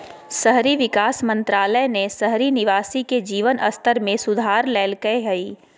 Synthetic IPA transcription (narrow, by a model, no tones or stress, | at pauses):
sɐɦɾiʋɪkaːsmɐ̃nt̪ɾaːləjnesɐɦɾinɪʋaːsiked͡ʒiːʋənʔɐ̰st̪əɾmẽsʊd̪ʱaːɾlɛːlkɐeɦɐiː